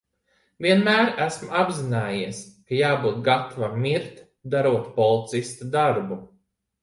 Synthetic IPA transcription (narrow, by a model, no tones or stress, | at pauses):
viɛnmæːɾæsmuabzinaːjiɛskajaːbuːt̪̚ɡat̪ʰavamʲiɾt̪ | d̪aɾuɔt̪pɔlˠit̪sist̪ad̪aɾbu